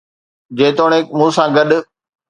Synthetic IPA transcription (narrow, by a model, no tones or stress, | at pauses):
d͡ʑeːt̪oːɽ̃emũːsãːɡɐɗʊ̆